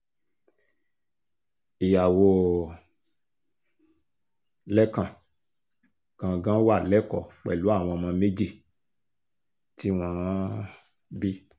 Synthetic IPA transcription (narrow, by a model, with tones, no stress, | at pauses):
i˨ja˨wo˧ | lɛ˦kã˨ | ɡ̥ã˧˨ɡã˦wa˦˨lɛ˦kɔ˨k͡pɛ̰˨lu˨˦a˦˨w̃ɔ̃˧mã˧me˦d͡ʒe˦˨ | ti˦w̃ã˦ | bi˦